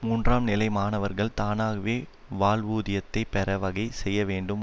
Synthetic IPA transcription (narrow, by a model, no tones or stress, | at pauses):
muːndraːmnɪlɐɪmaːnɐʋɐɾɣɐɭt̪aːnaːɣɐʋeː | ʋaːlʋuːðɪjɐt̪ːɐɪpɛɾɐʋɐɣɐɪsɛjːɐʋeːɳɖɯm